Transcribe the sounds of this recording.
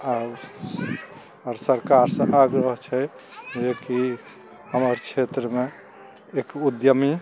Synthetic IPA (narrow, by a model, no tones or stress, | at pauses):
ab | ɾsəɾkaɾsə̃ʔaɡɾəɦt͡ʃʰɛ | d͡ʒeki | ɦəməɾt͡ʃʰet̪ɾəme | ekud̪jəmi